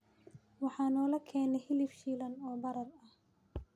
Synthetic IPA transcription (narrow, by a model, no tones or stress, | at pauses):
wɑħɑːnɔːlɐkʰɛːnɛhɪlɪfʃiːlɐnɔːbɐɾɐrɐh